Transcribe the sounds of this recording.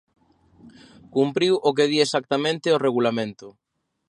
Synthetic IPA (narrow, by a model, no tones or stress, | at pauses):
kumpɾiwʔok̬eð̞iesak̚t̪amẽnt̪ɪoreɣulamẽnt̪ʊ